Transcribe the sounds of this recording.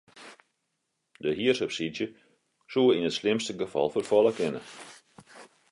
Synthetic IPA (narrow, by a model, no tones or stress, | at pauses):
dəɦiərsəpsidjə | suəinətslɪmstəɡəfɑ̰lˠfərfɔlˠəkɪnə̰